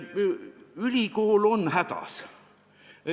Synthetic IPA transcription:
ylʲikoːlo̞nhæd̪̥ɑ̰s

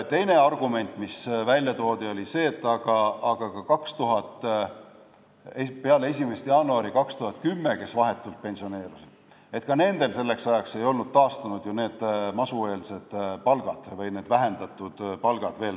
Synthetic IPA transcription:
t̪ːe̞jne̞ɑrɡ̥ume̞nʲt̪ˑmisvælʲjɑt̪o̞ːd̪io̞lʲise̞ːt̪ːˑɑɡ̥ɑɑɡ̥ɑkɑkɑkst̪uɦɑt̪ˑː | epe̞ɑlee̞s̬ʲime̞st̪jɑːnuɑɾikɑkst̪uhɑt̪kymːe̞ke̞svɑɦe̞t̪ːˑult̪̚pe̞nsione̞ːɾusid̪̥ | e̞t̪kɑne̞nd̪̥e̞lse̞lːe̞ksɑjɑkse̞jo̞lnud̪̥̚t̪ɑːst̪ɑnud̪̥jone̞ːd̪̥mɑsue̞ːlse̞d̪̥pɑlɡ̥ɑd̪̥vɤjne̞ːd̪væɦe̞nd̪ɑt̪ːˑud̪̥pɑlɡ̥ɑd̪̥ve̞ːl

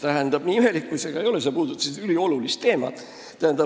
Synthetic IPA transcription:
t̪æɦænd̪̥ɑb̥niːyme̞likːujse̞ɡ̥ɑejo̞lesepuːd̪ut̪ːˑɑ̥sid̪ylio̞lulist̪ːe̞ːmɑ̰t̪ | t̪æhænd̪̥ɑ

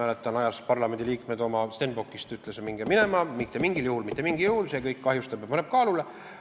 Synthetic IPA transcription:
æːlet̪ːˑɑnɑjɑspɑrlɑme̞nd̪iliːkme̞d̪o̞mɑst̪enbokːˑist̪yt̪ːˑlesemiŋɡ̥eminemɑmit̪ːemiŋɡiljuhulmit̪ˑːemiŋɡ̥ijuhulse̞kɤjkːkɑɦjust̪ɑb̥ɑb̥pɑneb̥̚kɑːlule

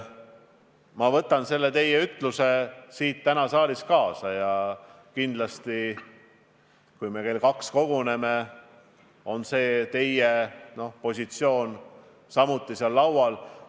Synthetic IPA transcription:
mɑvɤt̪ːˑɑnse̞lːe̞t̪e̞je̞yt̪ˑluse̞siːt̪ːænɑsɑːliskɑːsɑjɑ | kind̪̥lɑst̪i | kujme̞ke̞ːlkɑksko̞ɡ̥une̞me̞ | o̞nse̞ːt̪e̞jeno̞po̞sʲit̪sio̞ːn | sɑmut̪ˑːiseɑlːɑwwɑl

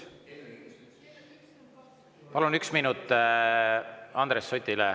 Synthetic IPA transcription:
pɑlunyksminut̪ˑː | ɑnd̪ɾesːot̪ʲilɛ

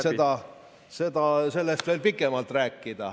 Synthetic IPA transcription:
sed̪ɑ | se̞d̪ɑse̞lːest̪veːlpikːˑemɑlt̪ˑræːkːˑid̪̥ɑ

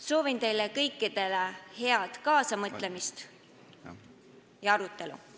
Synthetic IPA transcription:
so̞ːvint̪e̞jlekɤjkˑːid̪̥e̞lehe̞ɑd̪̥kɑːsɑmɤt̪lemist̪ | jɑɑɾut̪ːˑe̞lṵ

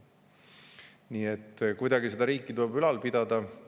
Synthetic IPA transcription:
niːe̞t̪ːkujd̪ɑɡise̞d̪ɑɾiːkːˑit̪ulebylɑlpid̪̥ɑd̪̥ɑ

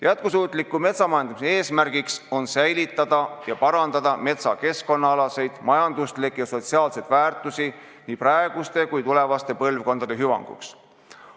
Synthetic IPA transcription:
jæt̪̚kusuːt̪ˑlikːˑume̞t̪sɑmɑjɑnd̪̥ɑmisee̞ːsmærɡ̥ikso̞nsæjlit̪ːˑɑd̪̥ɑjɑpɑɾɑnd̪̥ɑd̪̥ɑme̞t̪sɑke̞sko̞nːɑɑlɑse̞jd̪̥mɑjɑnd̪̥ust̪likːˑjɑso̞t̪siɑːlse̞jd̪væːrt̪ˑusi | niːprɑe̞ɡ̥ust̪e̞kujt̪ule̞vɑst̪e̞pɤlvko̞nd̪̥ɑd̪̥e̞ɦyvɑ̰ŋɡ̥ṵks

